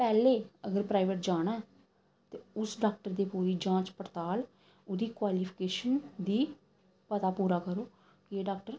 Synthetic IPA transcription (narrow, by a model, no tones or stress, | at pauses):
pɛːleːəɡəɾpɾaːɪʋəʈ̚d͡ʒaːɽ̃aː | t̪eːʊsɖaːk̚ʈəɾd̪eːpoːɾiːd͡ʒãːt͡ʃpəɾt̪aːl | ʊd̪iːkwaːliːpʰɪkeːʃənd̪iː | pət̪aːpuːɾaːkəɾoː | kɪeːɖaːk̚ʈəɾ